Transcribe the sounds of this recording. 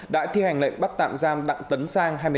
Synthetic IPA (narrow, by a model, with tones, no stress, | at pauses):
ɗa̰ː˧˥t̪ʰi˧ha˨˩jŋ̟lḛ˧˨ŋɓa˦˥t̚t̪a̰ː˧˨mzaː˧mɗa̰˧˨ŋt̪ə˨˦nsaː˧ŋɦaː˧jmɨ˧